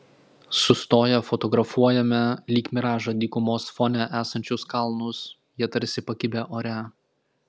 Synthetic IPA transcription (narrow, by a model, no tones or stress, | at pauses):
sʊst̪oːjɛfɔt̪ɔɡɾɐfuɔjɛmʲɛlʲiːkʲmʲɪɾɑːʒɐd̪ʲiːkʊmoːsfɔnʲɛʔæːsɐnʲt͡ʃʲʊskɐlˠnʊs | jiɛt̪ɐɾʲsʲɪpɐkʲɪbʲɛʔoːɾʲæ